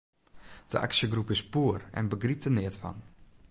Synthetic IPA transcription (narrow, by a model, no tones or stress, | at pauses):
d̥ə̰ʔa̰ksjəɡrupɪspuərɛ̰nbəɡrip̚tənɪətfɔ̰n